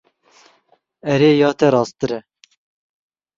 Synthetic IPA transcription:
ɛɾeːjɑːt̪ʰɛɾɑːst̪ɨɾɛ

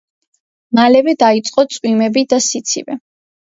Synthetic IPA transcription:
malɛvɛd̪ait̪sʼqʼɔt̪sʼwimɛbid̪asit̪sʰḭvɛ

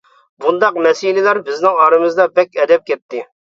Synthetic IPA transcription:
bund̪ɑqmɛsilɪlæɾbɪznɪŋɑɾɨmɨzd̪ɑbɛkʲɛd̪ɛp̚kʲɛt̪ʰːɪ

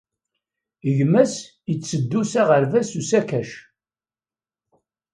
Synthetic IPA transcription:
əʝmæs | jət͡sːəd̪ːusaʁəɾvæsusækæʃ

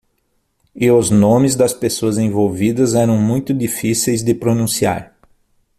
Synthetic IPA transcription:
ɪʊznõmɪzd̪ɐspesoɐzẽvowvid̪ɐzɛɾɐ̃w̃mũj̃t̪ʊd̪ifisejzd̪ɪpɾonũsia̰ɾ

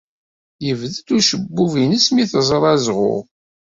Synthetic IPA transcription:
jəvðəd̪uʃəbːuvinəsmiθəzˤəɾˤæzʁʊ̰ʁ

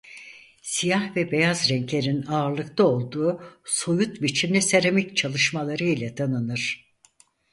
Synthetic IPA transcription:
sijahvɛbe̞jazɾɛɲclʲe̞ɾinaːɾlˠɯkt̪ʰao̞lˠd̪uːso̞jut̪bit͡ʃʰimlʲɛseɾemict͡ʃʰalˠɯʃmalˠaɾɯjlʲɛt̪ʰanɯnɯɾ̥

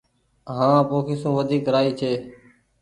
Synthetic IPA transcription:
ɦãːpõːkʰiːsũːʋəd̪ʱiːkɾaːiːt͡ʃʰeː

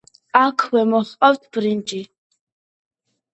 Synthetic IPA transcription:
akʰwɛmɔχqʼawt̪ʰb̥ɾind͡ʒʼi

